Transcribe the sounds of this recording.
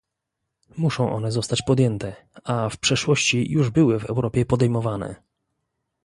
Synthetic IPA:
muʂɔ̃w̃ʔɔ̰n̪ɛzɔst̪at͡ɕpɔd̪jɛnt̪ɛʔafpʂɛʂwɔɕt͡ɕijuʐbɘwɘvɛ̰wɾɔpʲjɛpɔd̪ɛjmɔvanɛ̰

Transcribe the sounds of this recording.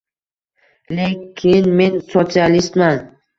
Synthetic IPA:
lekʲʰɪnme̞nsot̪sialist̪man

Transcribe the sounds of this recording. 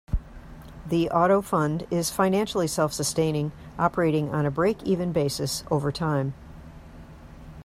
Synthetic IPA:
ðiʔɑɾoʊfʌ̃ndɪz̥fãɪ̃næ̃nʃl̩ˠisɛlˠfsɨstẽɪ̃ñɪ̃ŋ | ʔɑpə˞eɪɾɪ̃ŋə̃nɨbɹeɪkʰivɨ̃nbeɪsɨsʔoʊvə˞tʰãɪ̃m

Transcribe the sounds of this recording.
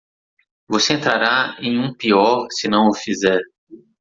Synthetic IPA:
voseẽnt̪ɾaɾaẽj̃ũpiɔɾsɪnɐ̃w̃ʊfizɛɾ

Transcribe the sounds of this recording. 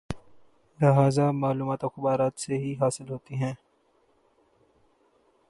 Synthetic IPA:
lɐɦaːzamaːluːmaːt̪ɔːxʊbaːɾaːt̪seɦiɦaːsɪlɦoːt̪iɦɛ̃ː

